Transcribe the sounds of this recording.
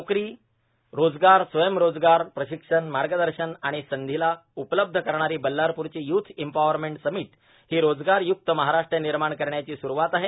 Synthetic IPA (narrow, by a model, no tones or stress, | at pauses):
okɾiː | ɾod͡zɡaɾsʋəjəmɾod͡zɡaɾpɾəɕikʂənmaɾɡəd̪əɾɕənaɽ̃isənd̪ʱilaupləb̚d̪ʱəkəɾɳaɾiːbəlːaɾpuɾt͡ɕiːjut̪ʰempaʋəɾmeɳʈsəmiːt̪ | hiːɾod͡zɡaɾjuk̚t̪əməɦaɾaʂʈɾeniɾmaɳkəɾɳjat͡ɕiːsuɾuʋat̪aɦe